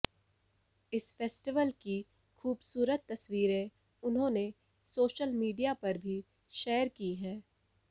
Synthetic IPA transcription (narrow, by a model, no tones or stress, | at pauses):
ɪsfeːsʈɪʋəlki | xuːbsuːɾət̪ːɐswiːɾẽ | ʊnɦõːne | soːʃəlmiːɖijapɐɾbʱi | ʃeːəɾkiːɦɛ̃ː